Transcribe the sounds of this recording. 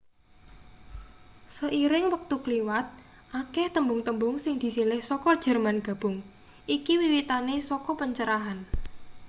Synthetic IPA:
səʔiɾɪŋwək̚t̪ukliwat̪̚ | ʔakɛht̪əmbʊŋt̪əmbʊŋsɪŋd̪̥i̤silɪhsɔkɔd̥ʒ̥ə̤rmanɡ̥ä̤b̥ʊŋ | ʔikiwiwit̪anesɔkɔpəɲt͡ʃəɾaɦan

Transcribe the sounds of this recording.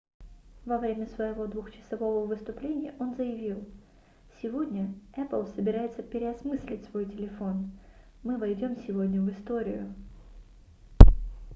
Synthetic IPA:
vɐvɾʲemʲəsvəjɪvo̞d̪vʊxt͡ɕɪ̥sɐvo̞vəvɨst̪ʊplʲenʲɪjə̰ʔo̞nzəjɪvʲilˠ | sʲɪvo̞dʲnʲəɛpəlˠsəbʲɪɾajɪt̪səpʲɪɾʲɪɐsmɨsʲlʲɪtʲsvo̞jtʲɪlʲɪfo̞n | mɨvɐjdʲo̞msʲɪvo̞dʲnʲəvɨst̪o̞ɾʲɪ̰jʊ̰

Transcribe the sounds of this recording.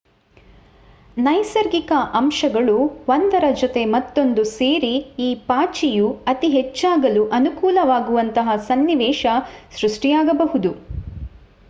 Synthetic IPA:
nɐjsɐɾɡikɐʔɐmʃɐɡɐɭuʋɐnd̪ɐɾɐd͡ʒot̪e̞mɐt̪ːo̞nd̪useːɾiiːpaːt͡ʃijuɐt̪iɦet͡ʃːaːɡɐluʔɐnukuːlɐʋaːɡuʋɐnt̪ɐɦɐsɐnːiʋɛːʃɐsɾuʂʈijaːɡɐbɐɦud̪u

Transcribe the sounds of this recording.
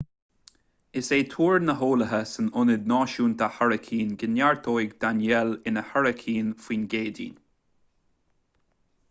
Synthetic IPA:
ɪseːt̪ʰuːɹnəɦoːləɦəsənʊnɪd̪̚nɑːʃuːnt̪ʰahaɹəkʰiːnɡɪnjaɹt̪ʰoːjɡd̪̥anjɛlɪnəhaɹəkʰiːnfwiːnɡeːdḭːn

